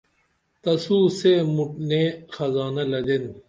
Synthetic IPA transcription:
t̪ɐsuːsemuʈnexɐzaːnɐlɐd̪en

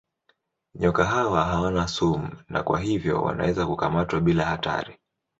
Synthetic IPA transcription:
ɲɔkaɦawaɦawanasum̩na̰kwa̰ɦivjɔ̰wa̰na̰wɛzakukamatwaɓilahata̰ɾi

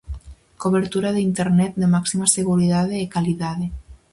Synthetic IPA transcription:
koβeɾt̪uɾaðeint̪eɾnɛt̪̚d̪emaksimaseɣ̞uɾiðaðeːkaliðaðe

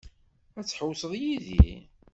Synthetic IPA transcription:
æt͡sːħəwsəðˤjiðḭ

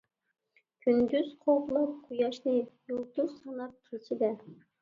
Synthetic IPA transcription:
kʲʰynd̪yz̥qʰoblˠɑp̚qʰujɑʃnɨjulˠt̪usɑnɑp̚kʲʰet͡ʃʰid̪ɛ

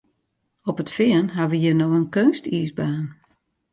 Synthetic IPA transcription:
ɔpətfɪənɦaʋəɦiərnoənkøːnstiːsbaːn

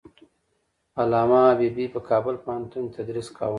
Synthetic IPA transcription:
alɑːmɑbibipəkʰɑːbəlpahant̪unt̪ad̪ɾiskʰa̰w

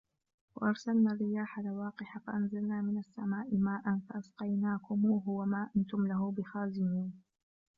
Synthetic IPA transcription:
wa̰ʔɑɾˤsalnaːrːɪjaːħalawɑːqɪħafaʔanzalnaːmɪnasːamaːʔɪmaːʔanfaʔasqɑjnaːkʊmːɦʊwamaːʔant̪ʊmlaɦʊbɪxaːzɪmiːn

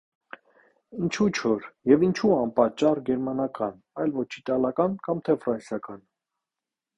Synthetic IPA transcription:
int͡ʃʰut͡ʃʰɔɾjɛvint͡ʃʰuɑnpɑt͡ʃːɑrɡɛɾmɑnɑkɑn | ɑjlvɔt͡ʃʰit̪ɑlɑkɑnkɑmt̪ʰɛfrɑnsjɑkɑn

